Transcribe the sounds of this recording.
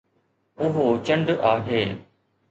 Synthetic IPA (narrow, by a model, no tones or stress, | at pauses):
ʊɦot͡ɕə̃ɳɖaːɦeː